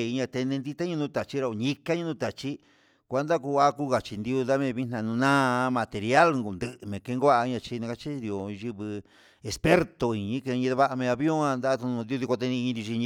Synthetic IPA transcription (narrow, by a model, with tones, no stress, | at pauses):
i˧ɲã˧t̪e˧nẽ˧nd̪i˦˧t̪a˦ɲũ˧nũ˦t̪a˨t͡ʃi˦ɾa˧o˨ɲĩ˦ka˦ɲũ˧nũ˦t̪a˨t͡ʃi˦ | kʷa˧˦nd̪a˦ku˧a˦ku˦ɣa˨t͡ʃi˧nd̪i˧u˧ða˦mẽ˧βi˦nã˧nũ˧nã˦˧mã˧t̪e˨˧ɾja˦lŋɡu˨nd̪ɨ˧˨ʔmẽ˨ke˧ŋɡʷa˦˧ɲã˧t͡ʃi˧nẽ˧ka˧t͡ʃi˦i˧˨o˨˧ʒi˧βɨ˧ | e˧spe˦ɾt̪o˧i˨˧ɲĩ˦ke˧ɲĩ˧a˧βa˦ʔa˧mẽ˧a˧βjõ˦ã˧nd̪a˦t̪ũ˧ũ˧d̪i˧o˧ði˧ko˧t̪e˧nĩ˧ĩ˧d̪i˧i˧ɲĩ˧